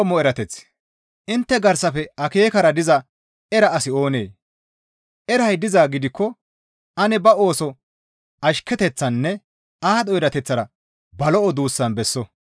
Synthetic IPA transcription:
mɔɛɾɐt̪ɛt͡sː | ʔɪnt̪ːɛɡɐɾsɐfɛɐke̞ːkɐɾɐd̪ɪzɐ | ɛɾɐɐsɪo̞ːneː | ʔɛɾɐjd̪ɪzaːɡɪd̪ɪkːɔ | ɐnɛbɐo̞ːsɔ | ʔɐʃkːɛt̪ɛt͡sːɐnːɛ | ʔaːd̪ɔjɾɐt̪ɛt͡sːɐɾɐ | bɐlɔɔd̪uːsːɐnbɛsːɔ

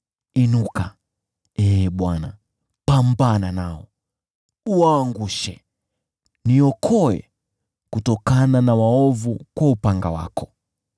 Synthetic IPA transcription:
inuka | ɛɓwana̰ | pambananaɔ | uwaːŋɡuʃɛ̰ | niɔkʰɔɛ̰ | kutɔkananawaɔvukwaupaŋɡawa̰kʰɔ

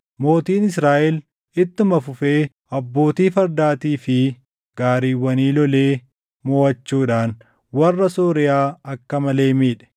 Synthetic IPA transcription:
mo̞ːt̪iːnɪsɾaːʔɛl | ɪt̪ːɪmɐfʊfe̞ː | ʔɐbːo̞ːt̪iːfɐɾd̪aːt̪iːfɪ | ɡaːɾiːwːɐniːlɔle̞ː | moːɐt͡ʃːuːᶑaːn | wɐrːɐsoːɾɪjaːɐkːɐmɐle̞ːmiːᶑɛ̥

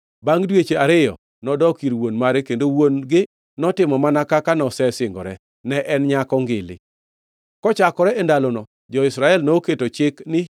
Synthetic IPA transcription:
baŋdwet͡ʃeaɾɪjɔ̰ | nɔdɔkiɾwonmaɾekendowonɡɪ | nɔtɪmɔmanakakanɔsɛsɪŋɡɔ̰ɾɛ | nɛʔɛnɲakɔŋɡɪlɪ̰ | kɔt͡ʃakɔɾɛʔɛndalonɔ | d͡ʒɔɪsɾaɛlnoketot͡ʃɪknɪ

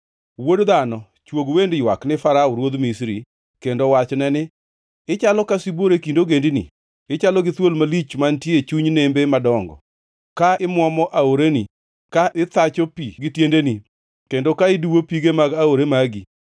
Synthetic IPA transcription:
wodd̪anɔ | t͡ʃwoɡwendjwaknɪfaɾaʊɾwod̪misɾi | kendowat͡ʃnɛnɪ | ɪt͡ʃalɔkasiboɾekindoɡendinḭ | ɪt͡ʃalɔɡɪt̪wolmalit͡ʃmantjet͡ʃuɲnembemadɔŋɡɔ̰ | kaɪmwɔmɔʔaoɾeni | kaʔɪt̪at͡ʃɔpiɡɪtjendeni | kendokaɪduwopiɡemaɡaoɾemaɡi

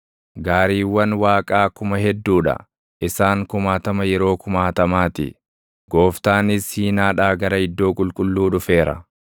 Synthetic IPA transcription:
ɡaːɾiːwːɐnwaːkʼaːkʊmɐɦɛd̪ːuːᶑɐ̰ | ʔɪsaːŋkʊmaːt̪ɐmɐjɛɾo̞ːkʊmaːt̪ɐmaːt̪ɪ̰ | ɡo̞ːft̪aːnɪshiːnaːᶑaːɡɐɾɐɪd̪ːo̞ːkʼʊlkʼʊlːuːᶑʊfe̞ːɾɐ̰

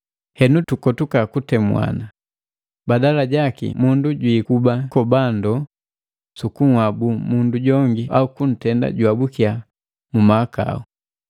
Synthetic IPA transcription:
hɛnutukɔtukakutɛmwa̰na | badalaɟakḭmunduɟwikubakɔbandɔ | sukuŋwabumunduɟɔŋɡiʔaukun̩tɛnda̰ɟwabukia | mumaːka̰u

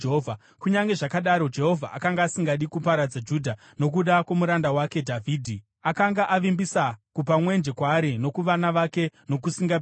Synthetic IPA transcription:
ovʱa | kuɲaŋɡe̞ʐakaɗaɾo̞d͡ʒe̞ɦo̞vʱaʔakaŋɡaːsiŋɡaɗikupaɾad͡zad͡ʒudʱa | no̞k̬uɗakwomuɾandawake̞dʱavʱiːdʱi | akaŋɡaʔaʋimbisakupamwe̞nd͡ʒe̞kwaːɾino̞kuʋanaʋake̞no̞kusiŋɡa

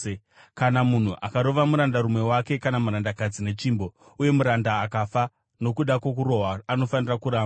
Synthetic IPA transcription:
kanamun̤uʔakaɾo̞ʋamuɾandaɾumwe̞wake̞kanamuɾandakad͡zine̞t͡ʃimbo̞ | uje̞muɾandaːkafa | no̞kuɗakok̬uɾo̞ɦaːno̞fanirakuɾaːmba

